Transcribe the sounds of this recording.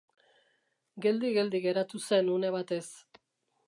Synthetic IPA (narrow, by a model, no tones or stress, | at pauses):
ɡe̞ld̪iɣe̞ld̪iɣe̞ɾat̪use̞nune̞βat̪e̞s